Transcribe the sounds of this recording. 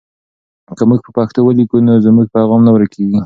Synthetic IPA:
kəmuɡ̚pəpɑxt̪owəlikunozmuɡ̚paɣɑmnawɾakʰeɡi

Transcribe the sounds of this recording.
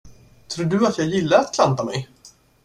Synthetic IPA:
t̪ʰɾuːɖɵat̪jɑːɡjɪlːaɾat̪kʰlant̪amɛj

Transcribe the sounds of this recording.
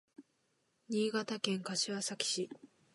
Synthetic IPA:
ɲ̟iːɡat̪akẽ̞ŋkaɕiβasakʲi̥ɕi

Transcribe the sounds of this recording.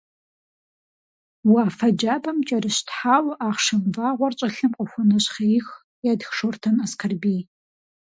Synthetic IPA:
waːfɐd͡ʒaːbɐmt͡ʃʼɐrɨɕtħaːwʔaːχʂɨmvaːʁʷɔrt͡ʃʷʼɐɬɨmqʷʼʊxʷʊnɐɕχɐɪx | jadxʂortʰɐnaskʰɐrbij

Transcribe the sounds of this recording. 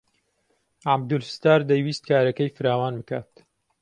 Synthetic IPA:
ʕabd̪ʊlfɨ̥st̪aːɾd̪ɐjwiːst̪̚kʰaːɾɐkɐjfɨɾaːwaːnbɨkaːt̪

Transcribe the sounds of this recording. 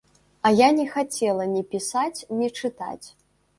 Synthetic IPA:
ɐjanʲɛxat͡sʲɛlˠɐnʲipʲisat͡sʲnʲit͡ʂɨt̪a̰t͡sʲ

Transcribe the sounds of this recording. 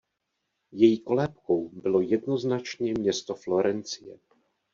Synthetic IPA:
jɛjiko̞lɛːp̚ko̞wbɪlo̞jɛdno̞znat͡ʃɲɛmɲɛst̪oflo̞ɾɛnt͡sɪjɛ̰

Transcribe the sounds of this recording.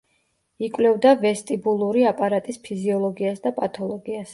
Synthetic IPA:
ikʼwlɛvd̪avɛst̪ʼibulˠuɾiapʼaɾat̪ʼispʰiziɔlˠɔɡiasd̪apʼat̪ʰʼɔlˠɔɡias

